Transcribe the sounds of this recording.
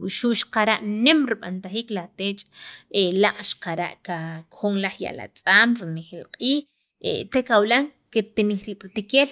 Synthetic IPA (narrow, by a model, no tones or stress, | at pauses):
uʃuʔʃqaɾaʔnemɾiɓant̪aχiːklat̪eːt͡ʃʼelaʔʼʃḁqaɾa̰ʔkakxoŋlaχja̰ʔla̰t͡sʼaːmɾinexeːlqʼiːx | ḛt̪ekawlaŋkiɾt̪iniːχɾiːɓ̥ɾit̪ikeːl